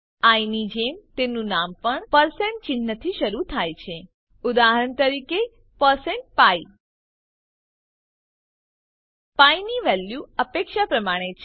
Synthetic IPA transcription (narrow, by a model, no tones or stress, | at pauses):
ainid͡ʒemt̪enũnampəɳpəɾsẽɳʈ̚t͡ʃɪnːət̪ʰiʃəɾut̪ʰajt͡ʃʰe | ud̪aɦəɳt̪əɾike | pəɾseɳʈ̚pai | painiʋɛljuəpekʃapɾəmaɽ̃et͡ʃʰ